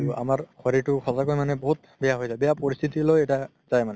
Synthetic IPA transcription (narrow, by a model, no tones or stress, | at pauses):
iuʔa̰maɹkʰɔɹitʊxɔzakojmanɛboɦut̚ | bɛjaɦojzajbɛjapoɹist̪ʰitilojɛta | z̥ajmanɛ